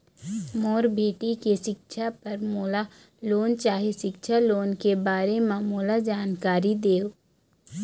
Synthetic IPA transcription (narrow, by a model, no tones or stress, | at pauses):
moːɾbʱeːʈikeʃɪkʃʰapɐɾmoːla | loːnt͡ʃaːɦeʃɪkʃʰaloːnkebaːɾemãmoːlad͡ʒaːnkaːɾid̪eːoː